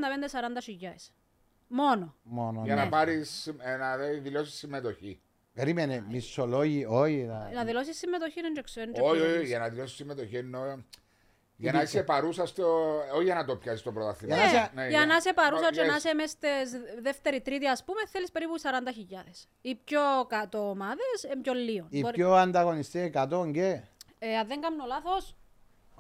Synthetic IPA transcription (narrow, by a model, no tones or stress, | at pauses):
nd̪ɐpend̪esɐɾɐnd̪ɐʃiʎːɐes | mo̞nomonojɐnɐpɐɾisimnɐeðilosi̥sːimːet̪oçi | peɾimenemisːoloʝioçinɐnɐðilosisːimːet̪oçinend͡ʒeksnd͡ʒoʝɐnɐðilosisːimːet̪oçienːo | ʝɐnisepɐɾusɐst̪ooijɐnɐt̪opçɐsist̪opɾot̪ɐθijɐnsenjɐnɐisepɐɾusɐt͡ʃenasemest̪esðeft̪eɾit̪ɾit̪iɐspumeθelispe̞ɾipusɐɾɐnd̪ɐçiʎːɐðes | ipçokɐt̪oːmɐðesembjolːionipboɐnd̪ɐɣo̞nist̪iekɐt̪oɲɟeeɐðːeŋɡɐmnolaθos